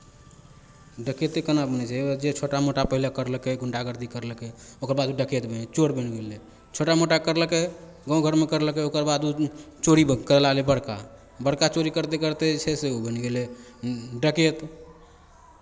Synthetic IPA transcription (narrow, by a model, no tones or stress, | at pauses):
ɖəket̪ekənabənɛt͡ʃʰɛd͡ʒet͡ʃʰoʈamoʈapəɦilakəɾləkeɡuɳʈaɡəɾd̪ikəɾlkeokəɾbad̪uɖəket̪bənɛt͡ʃoɾbənɡelɛ | t͡ʃʰoʈamoʈakəɾləke | ɡɔ̃ɡʱəɾmekəɾləkeokəɾbad̪u | t͡ʃoɾikəɾəlalebəɽka̰ | bəɽkat͡ʃoɾikəɾt̪ekəɾt̪ɛt͡ʃʰeseubənɡele | ɖəket̪